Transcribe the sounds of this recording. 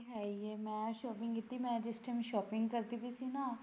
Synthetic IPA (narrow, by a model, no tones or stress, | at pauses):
ɦɛieːmɛ̃ːʃɔːpɪ̃ŋɡkɪt̪ːimɛ̃ːd͡ʒɪsʈemʃɔːpɪŋɡkəɾt̪ibisinãː